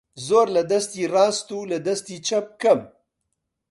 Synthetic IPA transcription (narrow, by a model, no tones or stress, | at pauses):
zoːɾlɐd̪ɐst̪iːrɑːst̪uːlɐd̪ɐst̪iːt͡ʃʰɐp̚kɐm